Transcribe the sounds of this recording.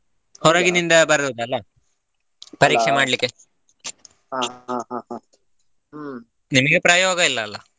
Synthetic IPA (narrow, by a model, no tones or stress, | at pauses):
hoɾɐːɡinind̪ɐbɐɾd̪ɐd̪uɐlːɐ | pɐɾiːkʂemaːɽlikːe | nimɐɡepɾajoːɡɐilːɐːlːɐ